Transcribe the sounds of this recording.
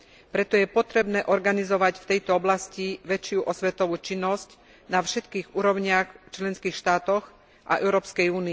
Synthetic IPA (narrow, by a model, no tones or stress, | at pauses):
pɾɛt̪ɔjɛpɔt̪ɾɛbnɛːʔɔɾɡanizɔʋacft̪ɛjt̪ɔɔblasciʋɛt͡ʃɪuʔɔsʋɛt̪ɔʋuːt͡ʃinːɔsc | nafʃɛt̪kiːɣuːɾɔʊɲɪaxt͡ʃlɛnskiːxʃt̪aːt̪ɔx | ʔa̰ʔɛʊɾɔːpskɛjuːni